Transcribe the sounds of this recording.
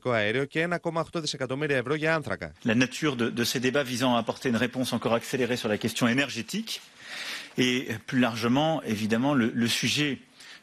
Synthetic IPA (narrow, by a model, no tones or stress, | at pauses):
ko̞ɐeɾioceenɐko̞mɐoxt̪oðise̞kɐt̪o̞miɾiɐevɾo̞ʝɐɐnθɾɐkɐ̰lanat̪ʰyʁd̪əd̪əsed̪ebavizɑ̃aːpɔʁt̪eynʁepɔ̃sɑ̃kɔʁakseleʁesyʁlakʲɛst̪jɔ̃enɛʁʒet̪ik | eplylaʁʒəmɑ̃evid̪amɑ̃lələsyʒɛ